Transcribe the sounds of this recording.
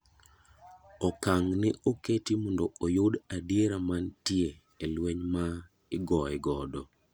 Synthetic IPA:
ɔkaŋnɪʔoketimɔndɔojʊdadieɾamantje | elweɲma | ɪɡɔɛɡɔdɔ

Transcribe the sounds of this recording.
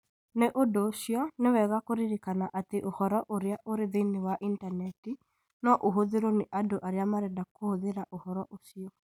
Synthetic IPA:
neʔodosiɔnewɛɣakoɾiɾikanaʔateʔohɔɾɔʔoɾeaʔoɾeðenewaʔintanɛti | nɔʔoɦoðeɾoneʔadoʔaɾeamaɾɛdakohoðeɾaʔohɔɾɔʔosiɔ

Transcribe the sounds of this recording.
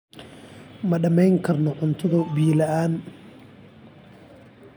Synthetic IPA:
mɐɖɐmɛjŋkʰɐrnɔʕʊnt̪ʰɐðɐbiːlɐʔaːn

